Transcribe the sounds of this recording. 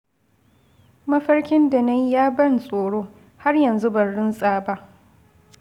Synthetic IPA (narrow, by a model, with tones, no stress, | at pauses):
mɐ˦ɸɐ˦rkʲɪ˦nda˨nɐ˦jjaː˦bɐ˦nsʼoː˨ɽoː˦ | ha˦rjɐ˨nzu˦bɐ˨nɽʊ˦nsʼaː˨ba˦ʔ